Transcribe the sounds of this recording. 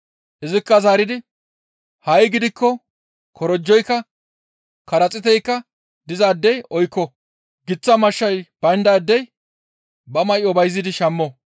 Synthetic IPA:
ʔɪzɪkːɐzaːɾɪd̪ɪ | hɐjɡɪd̪ɪkːɔ | kʰɔɾɔd͡ʒːɔjkːɐ | kɐɾɐt͡sʼɪt̪ɛjkːɐ | d̪ɪzaːd̪ːɛjɔjkːɔ | ɡɪt͡sːɐmɐʃːɐjb̥ɐjnd̪aːd̪ːɛj | bɐmɐjɔbɐjzːɪd̪ɪʃɐmːɔ

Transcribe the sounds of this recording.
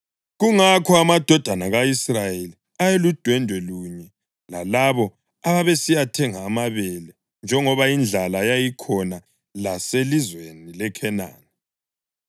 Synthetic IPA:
ɣuŋakʰɔamad̥ʱɔd̥ʱanaɣaisrajeli | ajelud̥ʱwɛndʱwɛluɲɛ | la̰laβɔ | aβaβesijatʰɛŋaːmaβɛlɛ | nd͡ʒʱɛŋɔβaind͡ɮʱalajajikʰɔna | laselizwenilɛkʰɛna̰ːni

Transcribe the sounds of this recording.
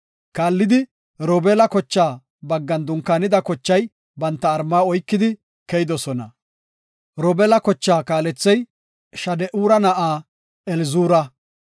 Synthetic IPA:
kaːlːɪd̪ɪ | ɾoːbɛlɐkɔt͡ʃːaː | bɐɡːɐnd̪ʊŋkːaːnɪd̪ɐkɔt͡ʃːɐj | bɐnt̪ːɐːɾmːaːɔjkːɪd̪ɪ | kɛjɪd̪ɔsɔnɐ̰ | ɾɔːbɛlɐkɔt͡ʃːaːkaːlɛt͡sːɛj | ʃɐd̪ɛʔuːɾɐnɐʔaː | ɛlɪzuːɾɐ

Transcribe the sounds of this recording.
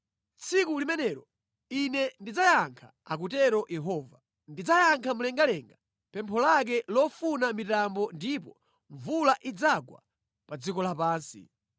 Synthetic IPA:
t͡sʰikulimɛnɛːɾɔ | inɛndid͡zajaŋkʰḁak̬utɛɾɔʔjɛɦɔːva | ndid͡zajaŋkʰamulɛŋɡalɛŋɡa | pɛmpʰɔlak̬ɛlɔfunamitambɔndipɔ | ɱvulaʔid͡zaɡwa̰ | pad͡zikɔlapaːnsḭ

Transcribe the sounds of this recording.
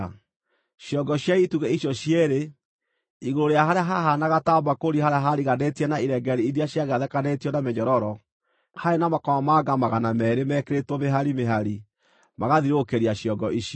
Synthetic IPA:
ʃjɔɡɔɕjaituɣɛiɕjɔɕjeɾe | iɣoɾoɾeaɦaɾeaɦaɦanaɣatabakoɾihaɾeaɦaɾiɣanetiɛnaiɾɛɡɛɾiiɾiaɕjaɣaðɛkanetiɔnamɛɲɔɾɔɾɔ | haenamakɔmamaɡamaɣanamɛːɾemɛkeɾetwomeɦaɾimeɦaɾi | maɣaðiɾokeɾiaɕjɔɡɔʔiʃjɔ

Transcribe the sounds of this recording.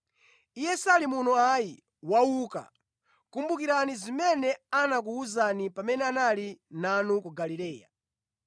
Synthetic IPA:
ijɛsalimunɔaji | wauka̰ | kumbukiɾanizimɛnɛanak̬uuzanipamɛnɛanalinanukuɡalilɛːja̰

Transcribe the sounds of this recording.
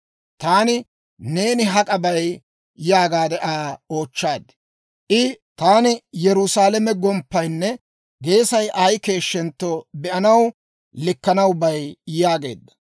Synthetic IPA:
t̪aːnɪ | ne̞ːnɪɦɐkʼɐbɐj | jaːɡaːd̪ɛʔaːoːt͡ʃːaːd̪ | ʔɪt̪aːnɪjɛɾʊsaːlɛmɛɡɔmpːɐjnːɛ | ɡe̞ːsɐjʔaːjke̞ːʃːɛnt̪ːobɛʔɐnɐw | lɪkːɐnɐwbɐjjaːɡe̞̰ːd̪ːɐ̥

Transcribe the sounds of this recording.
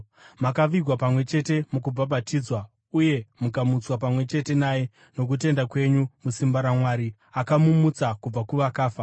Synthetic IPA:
makaʋiɡʱwapamwe̞t͡ʃe̞te̞mukub͡vaɓatiːd͡zwa | uje̞mukamut͡swapamwe̞t͡ʃe̞te̞naːje̞ | no̞k̬ut̬e̞ndakwe̞ɲumusimbaɾamwaːɾi | akamumut͡sakub͡vakuʋakaːfa

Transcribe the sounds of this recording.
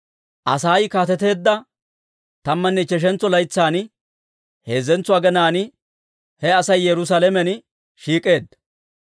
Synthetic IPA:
ʔɐsaːjkaːt̪ɛt̪e̞ːd̪ːɐ | t̪ɐmːɐnːɛt͡ʃɛʃ̬ɛnt͡sːɔlɐjt͡sːaːn | he̞ːzɛnt͡sːʊaːɡɛnaːn | hɛɐsɐjːɛɾʊs̬alɛmɛn | ʃiːkʼe̞ːd̪ːɐ̥

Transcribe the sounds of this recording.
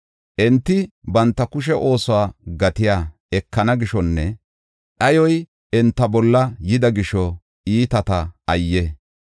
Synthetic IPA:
ʔɛnt̪ːɪbɐnt̪ːɐkʊʃ̬ɛʔo̞ːsʊwaːɡɐt̪ɪjaː | ɛkːɐnɐɡɪʃɔnːɛ | ɗɐjɔj | ɛnt̪ːɐbɔlːɐjɪd̪ɐɡɪʃɔ | iːt̪ɐt̪ɐɐjːɛ

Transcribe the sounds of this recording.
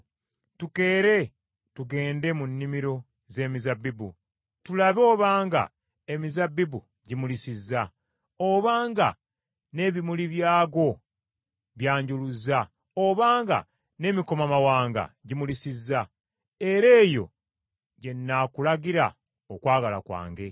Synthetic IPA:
tuke̞ːɾe̞ | tuɡe̞ːnde̞munːimiɾo̞ | ze̞ːmizabːibṵ | tulaβo̞ːβaːŋɡa̰ | emizabːibu | ɟimulisizːa | oβaːŋɡa̰ | ne̞βimuliβjaːɡo̞ | βjaːɲɟuluza | oβaːŋɡa̰ | ne̞ːmiko̞mamawaːŋɡa̰ɟimulisizːa | e̞ɾe̞ːjo̞̰ | ɟe̞nːakulaɡiɾa̰ | okwaːɡala̰kwa̰ːŋɡe̞

